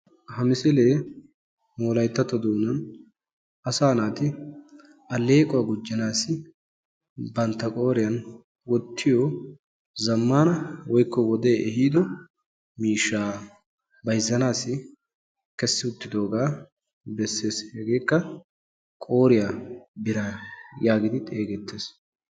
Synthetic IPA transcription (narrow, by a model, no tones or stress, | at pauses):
hɐmɪsɪle̞ː | moːlɐjt̪ːɐt̪ːɔd̪uːnɐn | ɐsaːnaːt̪ɪ | ɐlːeːkʼʊwaːɡʊd͡ʒːɐnaːsɪ | bɐnt̪ːɐkʼo̞ːɾɪjɐn | wɔt̪ʰːɪjɔ | zɐmːaːnɐwɔjkːɔwɔd̪e̞ːʔɛhiːd̪ɔ | miːʃːaː | bɐjzːɐnaːsɪ | kɛsːɪʊt̪ːɪd̪o̞ːɡaː | bɛsːe̞ːshɛɡe̞ːkːɐ | kʼo̞ːɾɪjabɪɾajaːɡɪd̪ɪt̪ʼeːɡɛt̪ːeːs